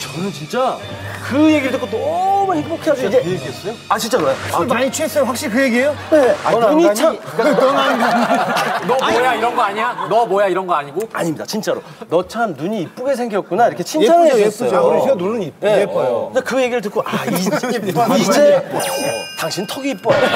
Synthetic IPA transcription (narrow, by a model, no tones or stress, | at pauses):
t͡ɕʌnɯnt͡ɕint͡ɕ͈a | kɯje̞ɡiɾɯɭtʰɯkot͈omanhipokʰead͡ʑiid͡ʑesat͡ɕint͡ɕ͈aɾoeaɲit͡ɕʰɥes͈ʌjoɸwak̚ɕ͈iɾikɯje̞ɡiejoneuɲit͡ɕʰanonaɲiɡ | nʌmojaiɾʌnɡʌaɲiɲanʌmʌjaiɾʌnɡʌaɲiɡoa̰ɲimɲidat͡ɕint͡ɕ͈aɾo | nʌt͡ɕʰamnuɲiːp͈uɡe̞sʰe̞ŋɡijʌt̚k͈unaiɾʌkʰet͡ɕʰint͡ɕʰaɾoesʰenunɯnineejoakɯje̞ɡiɾɯɭt̬ɯk͈ʰoʔai | d͡ʑe̞ | taŋɕʰintʰʌɡiːp͈ʌ